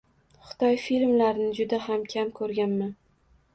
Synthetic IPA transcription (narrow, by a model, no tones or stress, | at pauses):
χʊ̥d̪̥ɒjfilmlaɾnɪd͡ʒʊd̪aɦamkʲʰamkʰɵɾɡʲanman